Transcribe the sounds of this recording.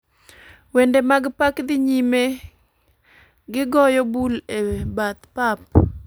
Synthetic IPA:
wendemaɡpakd̪ɪɲime | ɡɪɡɔjɔbulebat̪pap̚

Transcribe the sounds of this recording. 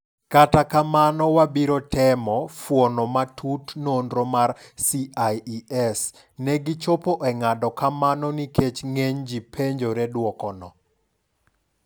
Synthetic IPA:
katakamanɔwabiɾotɛmɔfwɔnɔmatʰutnondɾomarsiʔajiɛs | nɛɡɪt͡ʃopoʔɛŋadɔkamanɔnikʰet͡ʃŋeɲd͡ʒipʰeɲd͡ʒoɾɛdwɔkɔnɔ

